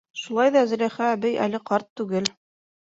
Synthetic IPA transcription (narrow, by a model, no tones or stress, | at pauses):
ʃulˠɑjðɑz̆ɾæχæːbɘjʔælɘqɑɾt̪ːʉɡɘl